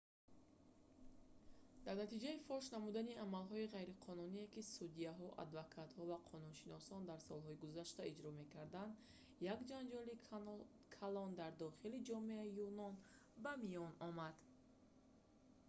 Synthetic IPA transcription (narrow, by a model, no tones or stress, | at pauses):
d̪aɾnat̪id͡ʒaifɔʃnamud̪aniamalɦɔiʁajɾiqʰɔnuniekisud̪iaɦɔʔa̰d̪vakʰat̪hɔvaqʰɔnunʃinɔsɔnd̪aɾsɔlˠɦɔiɡuzaʃt̪aid͡ʒɾɔme̞kʰaɾd̪and̪ | jakd͡ʒand͡ʒɔli | kʰalɔnd̪aɾd̪ɔχilid͡ʒɔme̞aijunɔn | bamijɔnɔmad̪̥